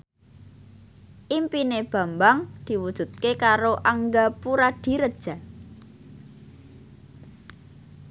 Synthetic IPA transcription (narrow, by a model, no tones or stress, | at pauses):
ʔimpineb̥a̤mbaŋd̪̥i̤wud̥ʒ̥ṳt̪̚kekaɾoʔaŋɡapuɾad̪̥i̤ɾəd̥ʒ̥a̤